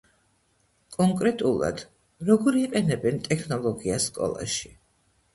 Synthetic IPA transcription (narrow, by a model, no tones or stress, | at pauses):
kʼɔŋkʼɾɛt̪ʼulˠa̰d̪̥ | ɾɔɡɔɾiqʼɛnɛbɛnt̪ʼɛkʰnɔlˠɔɡiaskʼɔ̰lˠa̰ʃi̥